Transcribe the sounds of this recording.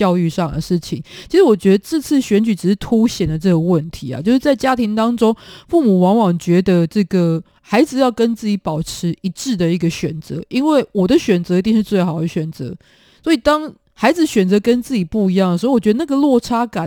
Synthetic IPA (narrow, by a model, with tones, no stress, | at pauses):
jɑ˥˧ʊy˥˧ʂɑ˥˨ŋd̪ə̰˩ʂɻ̩˥˩t͡ɕʰḭ˨˦ŋt͡ɕʰi˧˥ʂɻ̩˧˥wɔ˨˩t͡ɕɥɛ˧˥d̪ə˧ʈ͡ʂɤ˥˧t͡s̩ʰ˥˩ɕɥɛ˧˥nt͡ɕy˨˥ʈ͡ʂɻ̩˨˩ʂ̩˥˩t̪ʰu˥ɕjɛ˨˩nd̪ə˩ʈ͡ʂɤ˥˩ɡə˩wə˥˨˩nt̪ʰi˧˥a̰˨˦t͡ɕjo˥˧ʊʂɻ̩˥˩t͡sa˥˩ɪt͡ɕja˦˥t̪ʰi˧˥ŋt̪ɑ˥ŋʈ͡ʂo˥ŋfu˥˩mu˨˩wɑ˧˥ŋwɑ˨˩ŋt͡ɕɥɛ˧˥d̪ə˨ʈ͡ʂɤ˥˩ɡə˩ | xa˧˥ɪd͡zɹ̩˧jɑ˥˩ʊkə˦nt͡s̩˥˩t͡ɕi˧˥pɑ˨˩ʊʈ͡ʂ̩ʰ˧˥ʔi˧˥ʈ͡ʂɻ̩˥˩d̪ə˨i˥˩ɡə˨˩ɕɥɛ̰˨˩nt͡sɤ˧˦ʔi˦nwe˥˩ɪwɔ˨˩d̪ə˦ɕɥɛ˨˩nt͡sɤ˧˦i˧t̪i˥˧ŋʂɻ̩˥˧t͡swe˥˩ɪxɑ˨˩ʊd̪ə˦ɕɥɛ˨˩nt͡sɤ̰˧˦ | swɔ˧˥i˨˩t̪ɑ˥ŋ | xa˧˥ɪd͡zɹ̩˧ɕɥɛ˨˩nt͡sɤ˧˥kə˦˥nt͡s̩˥˩t͡ɕi˨˩pu˥˩i˧˥jɑ˥˩ŋə˩ɻ̩˧˥˧wt͡ɕɥɛ˧˥d̪ə˧na˥˨ɡə˨lwɔ˥˩ʈ͡ʂʰa˥ka˨˦n